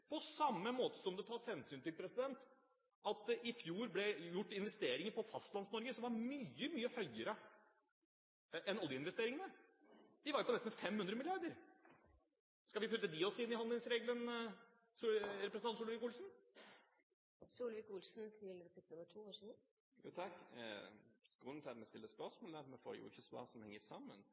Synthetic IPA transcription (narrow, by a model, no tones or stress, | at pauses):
pʰɔsɑmːəmoːt̪ə̥sɔmd̪ɛt̪ʰɑːshɛnsyːnt̪ɪlpʰɾɛsɪd̪ɛnt̪ | ɑt̪̚d̪ɛʔɪfjuːɾblɛjʊʈːɪnʋɛst̪eːɾɪŋəɾpɔfɑst̪lɑnsnɔɾɡəsɔmʋɑɾmyːəmyːəhœʏəɾə | ʔɛnɔljəɪnʋɛst̪eːɾɪŋənəd̪ɪʋɑɾjʊpʰɔnɛst̪n̩fɛmhʉnd̪ɾəmɪlɪɑɾd̪əɾ | skɑʋɪpʰʉt̪ːəd̪ɪɔsɪnːɪhɔnɪŋsɾeːɡlən | suɾɛpɾsnɑnsuːlʋɪkuːlsn̩ | suːlʋɪkuːlsn̩t̪ʰɪlkɑpɪt̪ːəʈʰuːoːʂiː | jṵːt̪ʰɑkː | skuːn̩t̪ʰæmɛst̪ɪlːəspœʂmoːlæɾmɛfo̰ɾjʊ̰ɪ̰çəsʋɑ̰sɔmhɛŋːəsɑmːə̰n